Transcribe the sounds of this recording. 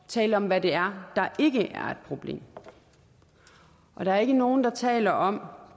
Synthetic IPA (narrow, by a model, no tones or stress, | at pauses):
t͡sʰɛ̰ːləɒ̽mʋæde̝æɐd̥ɑ̈ʔe̝ɡ̥əʔæɐed̥̚pʰʁo̝b̥le̝̰ːm | ʔɒ̽ɾ̥ɑ̈æɐe̝ɡ̥əno̝ːn̩d̥ɑ̈t͡sʰɛ̰ːlɐʔɒ̽m